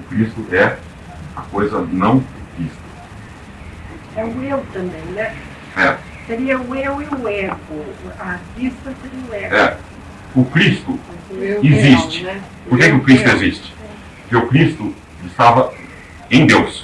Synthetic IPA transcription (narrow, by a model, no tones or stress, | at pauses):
ʊkɾist̪ʊʔɛ | ɐkojzɐnɐ̃w̃ʊkɾist̪ʊ | ɛʊewt̪ɐ̃mbẽj̃nɛ | ɛ | seɾiɐʊeweʊɛkʊakɾist̪ɐseɾiɐʊɛɛ | ʊkɾist̪ʊeizist͡ʃɪ̥ɛ | poɾkɛkɪʊkɾist̪ʊezist͡ʃɪ̥ | pʊɾkɪʊkɾist̪ʊ | ɪst̪avɐ | ẽj̃d̪ews